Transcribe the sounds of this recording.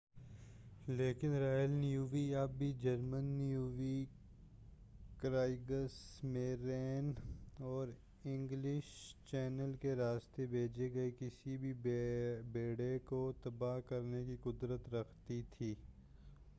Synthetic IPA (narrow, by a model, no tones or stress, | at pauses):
leːkɪnɾaːjəlnijuːʋiabbʱid͡ʒɐɾmənːjuːʋi | kɾaːɪɡəɾsmẽɾɛːnɔːɾ | ɪ̃ŋɡlɪʃt͡ʃɛːnəlkeɾaːst̪ebʱeːd͡ʒeɡɐekɪsibʱi | beːɽekot̪ɐbaɦkɐɾnekiqʊd̪ɾət̪ɾɐkʰt̪it̪ʰiː